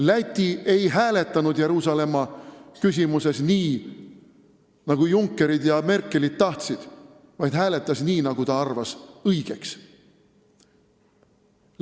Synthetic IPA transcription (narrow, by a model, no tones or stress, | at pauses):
læt̪ʲːˑie̞jɦæːle̞t̪ˑːɑnud̪̥je̞ɾuːsɑle̞mːɑkysʲimuse̞sniː | nɑɡ̥ujuŋkːe̞ɾid̪̥jɑme̞rkˑːe̞lid̪̥̚t̪ːɑht̪sid̪̥ | vɑjd̪̥ɦæːle̞t̪ˑːɑsniːnɑɡ̥ut̪ɑɑrvɑsɤjɡ̥e̞ks